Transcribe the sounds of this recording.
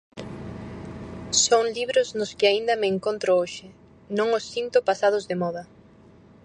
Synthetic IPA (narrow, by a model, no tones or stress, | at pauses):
soŋliβɾʊznʊskɪaind̪ɐmɪːŋkont̪ɾooʃɪ | nõŋʊsːint̪ʊpasað̞ʊzðemɔðɐ